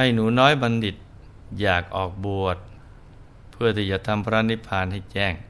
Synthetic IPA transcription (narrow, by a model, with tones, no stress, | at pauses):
ha˥˩jnuː˩˦nɔː˦˥jba˧ndi˨˩t̪̚ | jaː˨˩k̚ʔɔː˨˩k̚bu˨˩ət̪̚ | pʰɯ˥˩ət̪ʰiː˥˩t͡ɕa˨˩t̪ʰa˧mpʰɾa˦˥˧ni˦˥pʰaː˧nɦa˥˩jt͡ɕɛː˥˩ŋ